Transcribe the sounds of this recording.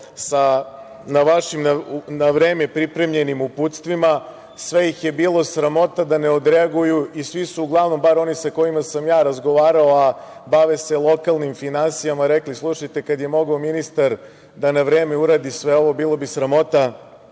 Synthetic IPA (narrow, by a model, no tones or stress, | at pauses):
sa | naʋaʃimnanaʋɾe̞ːme̞pɾipɾe̞mʎe̞nimuput̪st̪ʋima | sʋe̞jixjebiːlˠo̞sɾamo̞t̪ad̪aneo̞d̪ɾeaɡujuisʋisuːɡlˠaʋno̞mbaɾo̞nisako̞jimasamjaːɾazɡo̞ʋaːɾaoabaʋese̞lˠo̞kalˠnimfinansijamaɾeklislˠuʃajt̪e̞kad̪je̞mo̞ɡaominist̪aɾ | d̪anaʋɾeːme̞uɾaːd̪isʋe̞o̞ʋo̞biːlˠobisɾamo̞t̪a